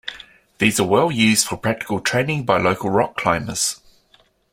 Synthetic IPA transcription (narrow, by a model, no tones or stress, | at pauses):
ðiːzəwɛlˠjʉːzd̥fəpʰɹ̥æk̚tɪ̥kəlˠtʰɹ̥ẽɪ̃nɪ̃ŋbaɪləʊkəlˠɹɒkʰl̥ãɪ̃mə̰z̥